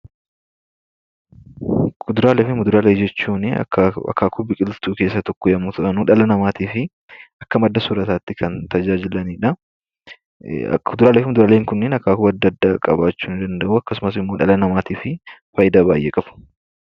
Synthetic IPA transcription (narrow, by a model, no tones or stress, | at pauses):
kʊd̪ʊɾaːlɛfɪmʊd̪ʊɾaːled͡ʒɛt͡ʃːuːnɪ̰ɐ̰kːaːkʰʊbɪkʼɪlt̪uːke̞ːsːɐt̪ɔkːɔjɐmut̪ɐʔɐnuːᶑɐlɐnɐmaːt̪iːfɪ | ʔɐkːɐmɐd̪ːɐsʊɾɐt̪aːt̪ːɪkʰɐnt̪ɐd͡ʒaːd͡ʒɪlɐniːᶑɐ | ʊd̪ʊɾaːleːfɪmʊd̪ʊɾaːleːŋkʊnːenɐkːaːkʊbɐɐd̪ːɐːd̪ːaːkʼɐbaːt͡ʃːuːnɪd̪ɐnd̪ɐʔuːɐkːɐsʊmɐsɪmːo̞ːᶑɐlɐnɐmaːt̪iːfɪfɐjɪd̪aːbaːjʔḛːkʼɐfʊ̥